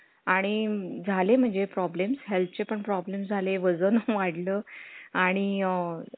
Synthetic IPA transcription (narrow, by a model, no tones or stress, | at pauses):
aɽ̃id͡zʱalem̤əɳd͡zepɾɔblemshelp̚ʰt͡ɕepəɳpɾɔblemsd͡zʱaleʋəd͡zənəʋaɽləːaɽ̃i